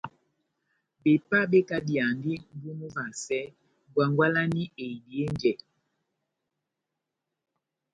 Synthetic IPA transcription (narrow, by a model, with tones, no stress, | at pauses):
be˨pa˦ɓe˦ka˦di˨a˨ndi˦m̩˦bu˦mu˦va˨sɛ˦ | ɡwa˨ŋɡwa˦la˦ni˦e˨i˨di˨e˦nd͡ʒɛ˨